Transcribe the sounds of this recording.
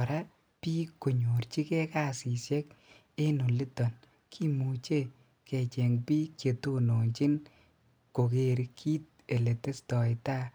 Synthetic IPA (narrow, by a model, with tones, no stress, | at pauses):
ɾa˦ | pi˦ko˨ɲo˨ɾt͡ʃi˦kɛ˦ka˦˨si˨sjɛ˦k | e˦nu˨li˦tɔ˨n | kʰi˦mu˨t͡ʃe˦ | kɛ˨t͡ʃɛ˨ŋpi˦kje˨to˦no˨nt͡ʃi˦n | ko˨ke˨ɾkʰi˦t̚e˨le˨te˦stɔ˨ɪta˦